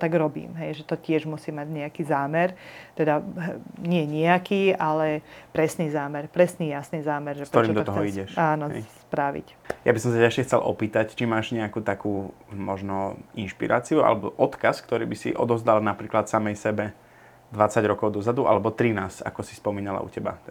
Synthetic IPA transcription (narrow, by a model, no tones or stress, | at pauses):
t̪aɡɾɔbḭːmɦɛjʒɛt̪ɔcɪɛʒmusiːmaɟɲɛakiːzaːmɛɾt̪ɛd̪aɲɪɛɲɛakiːalɛpɾɛsniːzaːmɛɾpɾɛsniːjasniːzaːmɛɾʒɛkpɾtɔɾimmd̪ɔɔt̪ɔɦɔiɟɛʃaːnɔɦɛspɾaʋḭc | ja̰bisɔ̃ms̬acaʃɛxt͡sɛlʔɔ̰piːt̪act͡ʃimaːʒɲɛakuːt̪akuː | mɔʒnɔinʃpḭɾʔa̰ːt͡siua̰lɛbɔʔɔt̪kaskt̪ɔɾḭːbisḭʔɔ̰d̪ɔvzd̪alnapɾiːklat̪samɛjsɛbɛ | d̪ʋat͡saɟɾɔkɔʊd̪ɔzad̪uʔa̰lɛbɔt̪ɾinaːsa̰kɔsispɔmiːnala̰ʔṵcɛba̰